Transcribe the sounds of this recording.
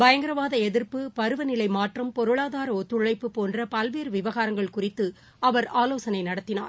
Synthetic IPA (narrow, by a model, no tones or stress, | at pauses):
bɐjɐŋɡɪɾɐʋaːðɐɛðɪɾpɯpɐɾɯʋɐnɪlɐɪmaːʈrɐmpɔɾɯɭaːðaːɾɐɔt̪ːɯɭɐɪpːɯpoːndrɐpɐlʋeːɾɯʋɪʋɐɣaːɾɐŋɡɐɭkʊrɪt̪ːɯ | ɐʋɐɾaːloːsɐnɐɪnɐɽɐt̪ːɪna̰ːɾ